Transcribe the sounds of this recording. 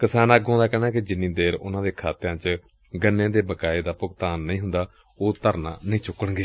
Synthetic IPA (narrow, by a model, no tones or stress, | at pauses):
kɪsaːnaːɡõːnd̪aːkɛːnaːkɪd͡ʒɪnːĩːd̪eːɾʊnãːd̪eːkʰaːt̪ɪɾãːt͡ʃ | ɡənːẽːd̪eːbəkaːeːd̪aːpʊkt̪aːnːəĩːɦʊnd̪aː | oːt̪əɾnã̰ːnəĩːt͡ʃʊkːəɽɡeː